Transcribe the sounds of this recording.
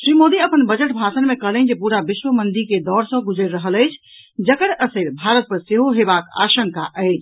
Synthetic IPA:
sɾimod̪iəpənbəd͡ʒəʈbʱasənmekəɦlənd͡ʒepuɾabiʃwəmənd̪iked̪ɔɾsə̃ɡud͡ʒəɾɾəɦələjt͡ʃʰ | d͡ʒəkəɾəsəɾbʱaɾət̪̚pəɾseɦoɦebaka̰ʃəŋkaʔəɪt͡ʃʰ

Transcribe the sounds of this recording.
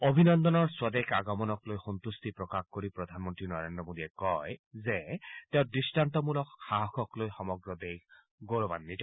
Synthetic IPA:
obʱinɔnd̪ɔnɔɹswad̪ekʰaɡɔmɔnɔklojxɔnt̪ust̪ipɹɔkaxkoɹipɹɔd̪ʱanmɔntɹinɔɹendɹɔmod̪iɛkɔjzɛtɛʊdɹistantɔmulɔkxaɦɔxɔklojxɔmɔɡɹɔd̪ek | ɡoɹɔba̰nːiti

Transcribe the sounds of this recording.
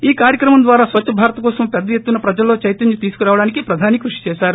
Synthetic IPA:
iːkaːɾjɐkɾɐmɐmd̪ʋaːɾaːsʋɐt͡ʃːʃʰɐbʱaːɾɐt̪ɐkɔːsɐmpɛd̪ːɐjet̪ːunɐpɾɐd͡ʒɐlːo̞ːt͡ʃɐjt̪ɐnjut̪iːsu̥kuɾaːʋɐɽaːnikipɾɐd̪ʱaːnikɾuʂi̥t͡ʃɛːʃaːɾu

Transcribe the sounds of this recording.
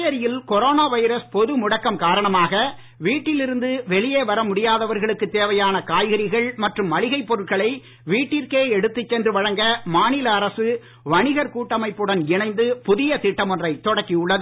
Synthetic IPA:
ɐɾɪjɪlkɔɾoːnaːʋɐɪɾɐspɔðɯmʊɽɐkːɐmkaːɾɐɳɐmaːɣɐ | ʋiːʈːɪlɪɾɯnd̪ɯʋɛɭɪjeːʋɐɾɐmʊɽɪjaːðɐʋɐɾɣɐɭɯkːɯt̪eːʋɐjaːnɐkaːjɣɐɾɪɣɐɭmɐʈrɯmʋɐɭɪɣɐɪpːɔɾɯʈ̚kɐɭɐɪ | ʋiːʈːɪɾkeːɛɽɯt̪ːɯt͡ʃːɛndrɯʋɐɻɐŋɡɐmaːnɪlɐːɾɐsɯ | ʋɐɳɪɣɐɾkuːʈːɐmɐɪpːɯɽɐnɪɳɐɪnd̪ɯpʊðɪjɐt̪ɪʈːɐmɔndrɐɪt̪ːɔɽɐkːɪʊɭːɐðɯ

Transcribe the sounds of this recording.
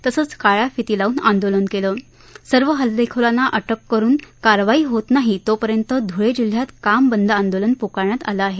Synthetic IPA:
t̪əsəːt͡skaɭafit̪ilauːnand̪olənkelə | səɾʋəɦəld̪ekʰəɭanːaʔəʈəkːəɾuːnkaɾʋaiːɦot̪naɦit̪opəɾjənt̪əd̪ʱuɭed͡ʑil̤jat̪kambənd̪ʱəand̪olənpokaɾɳjat̪a̰ləːɦe

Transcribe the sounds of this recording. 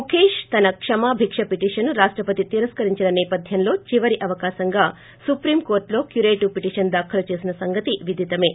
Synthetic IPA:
mukʰeːʂt̪ɐnɐkʂɐmaːbʱikʂɐpiʈiːʂɐnːuɾaːʂʈɾɐpɐt̪it̪iːɾɐskɐɾiɲt͡ʃinɐneːpɐd̪ʱjɐnlo̞ːt͡ʃiʋɐɾiʔɐʋɐkaːʃɐŋɡaː | supɾiːmkoːɾʈlo̞ːkjuɾeːʈupiʈiːʂɐnd̪aːkʰɐlɐt͡ʃeːsinɐsɐŋɡɐt̪iʋid̪ʱit̪ɐme̞ː

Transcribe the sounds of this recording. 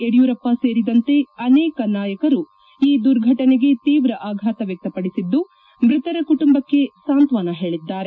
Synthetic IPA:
eɽijuːɾɐpːase̞ːɾid̪ɐnt̪e̞ɐnɛːkɐnaːjɐkɐɾu | iːd̪uɾɡʱɐʈɐneɡe̞t̪iːʋɾɐʔaːɡʱaːt̪ɐʋjɛk̚t̪ɐpɐɽisid̪ːu | mɾit̪ɐɾɐkuʈumbɐkːe̞saːnt̪ʋaːnɐɦe̞ːɭid̪ːaːɾe

